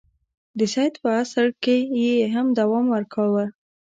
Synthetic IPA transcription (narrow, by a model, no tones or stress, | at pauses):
d̪əsɑjt̪pəasaɽkejeeɦamd̪awɑmwəɾkʰawə